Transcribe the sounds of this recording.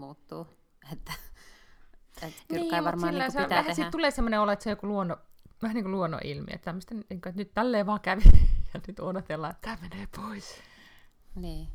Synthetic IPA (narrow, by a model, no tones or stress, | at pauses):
muːt̪ːuː | et̪ːæ | et̪niiːɑʋɑrmɑːilæsææhæsit̪t̪uleːsemːoneolet̪sejokuluonoʋæhæniːŋkoluono̰ʔḭlmḭḛt̪t̪æmːøst̪enniːŋkoet̪nyt̪t̪ælːeːʋɑːkæʋit̪jɑnyt̪odot̪elːɑːet̪t̪æːmeneːpʰois | niː